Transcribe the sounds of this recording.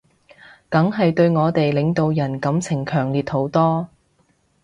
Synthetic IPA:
kɐ˨˥ŋɦɐ˨jt̪ɵ˧ɥŋɔː˨˧t̪e˨jlɪ˨˧ŋt̪o˨wjɐ˨˩nkɐ˨˥mt͡sʰɪ˨˩ŋkʰœː˨˩ŋliː˨˩t̚ho˨˥wt̪ɔː˥

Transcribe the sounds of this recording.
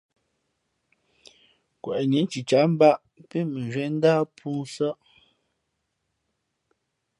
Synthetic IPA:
kwɛ˨ʔɲe˨˦t͡ʃi˨t͡ʃa˨˦m̩˦ba˦ʔ | pe˦me˨ʒɥwɛ˨˦n̩˦daː˦pʰuː˦sə˦ʔ

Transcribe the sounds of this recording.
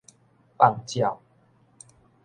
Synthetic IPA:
pa˨ŋt͡ɕja˨˩w

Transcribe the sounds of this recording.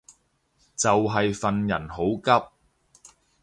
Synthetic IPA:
t͡sɐ˨wɦɐ˨jfɐ˨njɐ˨˩nho˨˥wkɐ˥p̚

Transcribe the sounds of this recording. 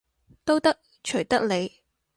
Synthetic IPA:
t̪o˥wt̪ɐ˥k̚ | t͡ʃʰɵ˨˩ɥt̪ɐ˥k̚ne˨˧j

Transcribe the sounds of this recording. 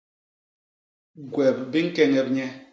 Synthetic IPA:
ɡwɛ˨b̚bi˦ŋ̩˦kɛ˦ŋɛ˨b̚ɲɛ˦

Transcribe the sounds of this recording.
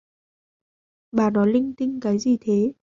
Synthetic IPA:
ɓaː˧˨˩nɔ˨˦jlï˧ŋt̪ï˧ŋkaː˨˦jzi˨˩t̪ʰe˨˦

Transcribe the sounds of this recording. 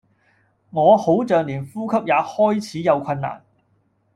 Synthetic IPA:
ŋɔː˨˧ho˨˥wt͡sœː˨ŋliː˨˩nfuː˥kʰɐ˥p̚jaː˨˧hɔː˥jt͡sʰiː˨˥jɐ˨˧wkʰɐ˧nːa̰ː˨˩n

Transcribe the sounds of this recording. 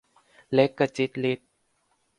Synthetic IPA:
lɛ˦˥kːa˧t͡ɕi˦˥t̪̚li˦˥t̪̚

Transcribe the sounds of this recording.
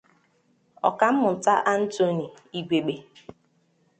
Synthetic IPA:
ɔ̰˨ka˨m̩˦mʊ˨ta˦ʔa˦n̩˦to˦ni˨i˨ɡʷe˨ɡ͡be˨

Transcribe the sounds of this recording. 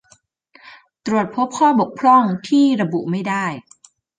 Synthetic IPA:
t̪ɾu˨˩ət̪̚pʰo˦˥p̚kʰɔː˥˩bo˨˩k̚pʰlɔ˥˩ŋt̪ʰiː˥˩ɾa˧bu˨˩ʔma˥˩jdaː˥˩j

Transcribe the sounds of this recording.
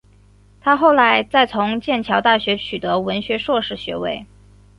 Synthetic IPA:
t̪ʰa˥xo˥˩ʊla˧˥ɪt͡sa˥˩ɪt͡sʰʊ˧˥ŋt͡ɕjɛ˥˩nt͡ɕʰjɑ˧˥ʊt̪a˥˩ɕɥɛ˧˥t͡ɕʰy˨˩t̪ɤ˧˥wə˧˥nɕɥɛ˧˥ʂwɔ˥˧ʂɻ̩˥˩ɕɥɛ̰˧˥we˥˩ɪ

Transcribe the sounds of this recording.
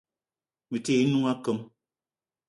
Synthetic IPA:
mɨ˨te˦˨i˦nu˦ŋa˦kə˦m

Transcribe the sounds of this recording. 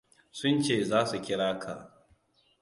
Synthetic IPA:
sʊ˦nt͡ʃeː˦˨zaː˦su˨kʲɪ˦ɽaː˦kʰa̰˨

